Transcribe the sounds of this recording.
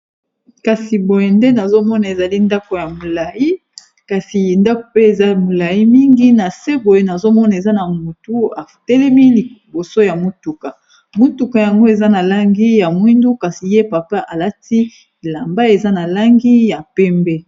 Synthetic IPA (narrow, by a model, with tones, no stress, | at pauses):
ka˨si˨bo˨je˨nde˦na˨zo˦mɔ˦na˨e˨za˨li˦nda˦ko˨ja˨mo˨la˨ji˦ | ka˨si˨nda˦ko˨pe˦e˨za˦mo˨la˨ji˦mi˦ŋɡi˦na˨se˦bo˨je˨na˨zo˦mɔ˦na˨e˨za˦na˨mu˨tu˦a˨tɛ˦lɛ˦mi˦li˨bo˨so˦ja˨mu˨tu˨ka˨ | mu˦tu˨ka˨ja˨ŋɡo˦e˨za˦na˨la˦ŋɡi˦ja˨mwi˦ndu˦ka˨si˨je˦pa˨pa˦ʔa˨la˦ti˦˨ | la˨mba˦e˨za˦na˨la˦ŋɡi˦ja˨pɛ˦mbɛ˦